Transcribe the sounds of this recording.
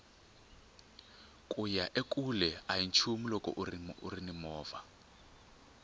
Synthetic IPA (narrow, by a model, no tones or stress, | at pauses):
kʼujaʔekʼulɛajint͡ʃʰumilɔkʼɔ̰ʔuriṵrinimɔːva